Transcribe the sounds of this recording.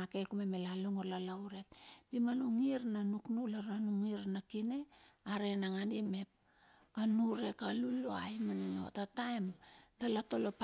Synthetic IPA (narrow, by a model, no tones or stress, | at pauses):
ake̞kumemelaluŋolalawɾe̞k̚pimanuŋiɾnanuknulaɾanuŋiɾnakine̞aɾe̞naŋandime̞p̚ | anuɾe̞kaluloajmanuŋo̰tatajmdalato̞lop